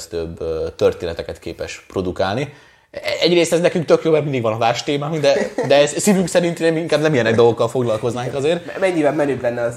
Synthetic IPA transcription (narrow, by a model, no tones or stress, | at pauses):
st̪øbːt̪ø̞rt̪eːnɛt̪ɛkɛt̪kḛːpɛʃpro̞d̪ukaːlni | ɛɛɟreːst̪ɛznɛkyŋkt̪økjoːbmɛrmind̪iɡvɒnɒvaːʃt̪eːmaːŋɡd̪ɛd̪ɛsivyŋksɛɾint̪nmiŋkaːbnɛmijɛnɛɡd̪olɡokːɒlfo̞ɡlɒlko̞znaːŋkɒzeːrmɛɲːivɛmmɛnøːblɛnːɛɒ